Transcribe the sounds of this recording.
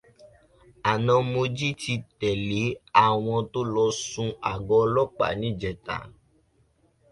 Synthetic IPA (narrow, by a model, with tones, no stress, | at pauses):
a˨nɔ̃˧mo˧d͡ʒi˦ti˧tɛ˨le˨˦a˦˨w̃ɔ̃˧to˦lɔ˧sũ˧a̰˨ɡɔ˧lɔ˦k͡pa̰˨nĩ˦˨d͡ʒɛ˨ta̰˨˦